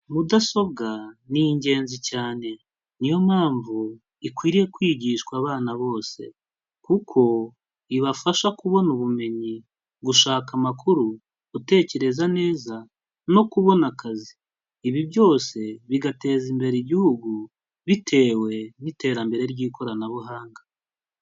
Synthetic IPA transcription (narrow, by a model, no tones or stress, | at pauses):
mudaso̞βɡaniɲɟe̞ːnzicaːne̞ | nijo̞maːɱvu | ikwiːɾije̞kwiːɟiːʃkwaːβaːnaβo̞ːse̞̰ | kukʰo̞ | iβafaʃakuβo̞nuβume̞ɲi | ɡuʃaːkamakuɾu | ute̞ːce̞ɾe̞zane̞ːza | no̞kuβo̞nakaziː | βiβjo̞ːse̞βiɡate̞ːzimbe̞ɾeiɟihuɡu | βitʰe̞ːwe̞nite̞ːɾambe̞ɾe̞ɾɟiːkʰo̞ɾanaβuɦaːŋɡa